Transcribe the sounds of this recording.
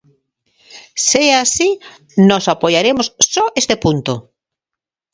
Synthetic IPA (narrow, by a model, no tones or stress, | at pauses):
seaasi | nɔsapojaɾemossɔest̪epunt̪o